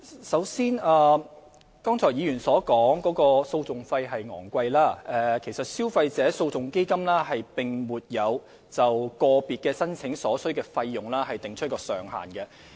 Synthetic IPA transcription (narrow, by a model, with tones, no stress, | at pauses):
sɐ˨˥wsiː˥naː˧ | kɔː˥ŋt͡sʰɔː˨˩jiː˨˧jyː˨˩nsɔː˨˥kɔː˨˥ŋkɔː˨˥kɔː˧so˧wt͡sʊ˨ŋfɐ˧jɦɐ˨jŋɔ̰ː˨˩ŋkʷɐ˧jlaː˥ʔɛː˧kʰe˨˩jsɐ˨t̚si˥wfɐ˧jt͡sɛː˨˥so˧wt͡sʊ˨ŋke˥jkɐ˥mlaː˥hɐ˨jpɪ˨ŋmuː˨t̚jɐ˨˧w | t͡sɐ˨wkɔː˧piː˨t̚kɛː˧sɐ˥nt͡sʰɪ˨˥ŋsɔː˨˥sɵ˥kɛː˧fɐ˧jːʊ˨ŋlaː˥hɐ˨jt̪ɪ˨ŋt͡ʃʰɵ˥t̚kɔː˧sœː˨ŋɦa̰ː˨˩nkɛ˧